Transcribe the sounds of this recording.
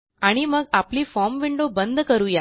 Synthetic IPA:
aɽ̃iməɡapliːfɔɾmʋiɳɖobənd̪ʱkəɾuja

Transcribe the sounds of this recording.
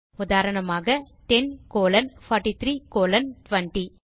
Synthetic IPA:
ʊðaːɾɐɳɐmaːɣɐ | ʈɛnkoːlɐnfɐːɾʈit̪ɾiːkoːlɐnʈʋɐɳʈi

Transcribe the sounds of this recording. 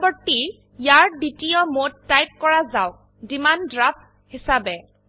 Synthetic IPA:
bɔɹti | jaɹɖitijɔmodtːajp̚kɔɹazaw | dimandɹap̚ | hisabɛ

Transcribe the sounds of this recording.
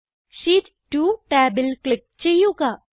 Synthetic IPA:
ʃit | ʈuʈɛːbɪlklɪk̚t͡ʃejuka

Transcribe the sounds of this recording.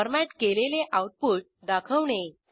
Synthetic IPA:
əɾmæʈkeleleʔawʈ̚puːʈ̚d̪akʰəʋɳe

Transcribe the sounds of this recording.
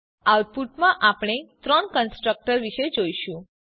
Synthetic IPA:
awʈ̚puʈmãʔapɽ̃et̪ɾɔɳkənsʈɾək̚ʈəɾʋiʃed͡ʒojʃũ

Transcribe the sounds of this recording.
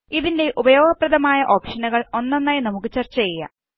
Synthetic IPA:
iðinde̞ʔubɐjo̞ːɡɐprɐðɐmaːjɐʔo̞ːpʂɐnɐɣɐɭo̞nːɐnːaːjnɐmukːɨt͡ɕɐrt͡ɕːɐjejːɐ̰

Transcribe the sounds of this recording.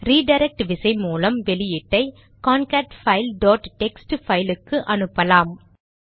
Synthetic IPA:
ɾiːɖɐɪɾɛk̚ʈʋɪsɐɪmuːlɐmʋɛlɪjɪʈːɐɪ | kaːnkaːʈfɐɪlɖoːʈʈɛksʈfɐɪlɯkːɯʔɐnɯpːɐlaːm

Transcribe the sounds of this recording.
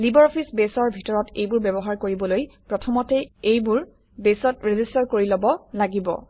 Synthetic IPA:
libɔɹɔpʰisbesɔɹbʱitɔɹɔtḛjbʊɹbɛbɔɦaɹkoɹibɔlojpɹɔtʰɔmɔtɛejbuɹ | besɔtɹezistaɹkoɹilɔbɔlaɡibɔ̰

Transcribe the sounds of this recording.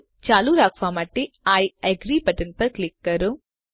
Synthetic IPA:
t͡ʃaːluɾaːkfaːmɐʈːi | aːjɐɡɾiːpɐʈɐnpɐɾklikːɐɾu

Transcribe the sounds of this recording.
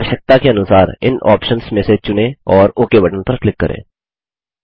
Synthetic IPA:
əʃək̚t̪akeɐnʊsaːɾɪ̰naːpʃənsmẽːset͡ʃʊnẽɔːɾoːkeʋɐʈənpɐɾklɪkːɐɾʔḛ̃ː

